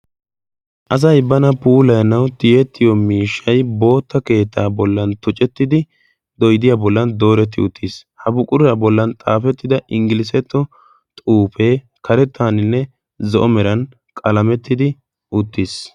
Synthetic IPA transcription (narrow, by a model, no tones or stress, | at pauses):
ʔɐs̬ɐjbɐnɐpuːlɐjnːɐwt̪ɪjɛt̪ːɪjɔmiːʃːɐjbo̞ːt̪ːɐke̞ːt̪ʰːaːbɔlːɐnt̪ʊt͡ʃʼɛt̪ːɪd̪ɪ | d̪ɔjd̪ɪjaːbɔlːɐnd̪o̞ːɾɛt̪ːɪʊ̰t̪ːishɐbʊkʼʊɾɪɐbɔlːɐnt̪ʼaːfɛt̪ːɪd̪ɐʔɪŋɡɪlɪs̬ɛt̪ːɔ | t̪ʼuːfeː | kɐɾɛt̪ʰːaːnɪnːɛ | zɔʔɔmɛɾɐn | kʼɐlɐmɛt̪ːɪd̪ɪ | ʔʊt̪ːis